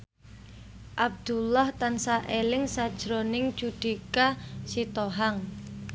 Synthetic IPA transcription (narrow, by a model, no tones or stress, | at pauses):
ʔab̚d̪̥ulaht̪ansaʔelɪŋsad̥d͡ʒ̥ɾonɪŋ̥t͡ʃud̪̥ikasit̪oɦaŋ